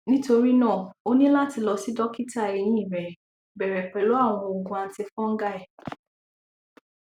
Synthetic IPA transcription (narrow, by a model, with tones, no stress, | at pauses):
nĩ˦to˧ɾi˦nãː˦˨o˦nĩ˦la˦ti˧lɔ˧si˨˦dɔ˦ki˦ta˦˨ɾi˧jĩ˦i˦˨ɾɛ˨ | bɛ˨ɾɛ˨k͡pɛ˨lo˨˦a˦˨w̃ɔ̃˧o˨ɡũ˧a˨˧n̩˦ti˧fɔ̃˦ŋ̩˦ɡa˦ɛ˨